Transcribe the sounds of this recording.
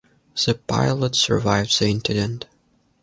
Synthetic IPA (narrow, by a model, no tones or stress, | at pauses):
ð̥ɨpʰa̰ɪlˠətsə̰˞vaɪvzðiɪ̃ntɨdɨ̃nt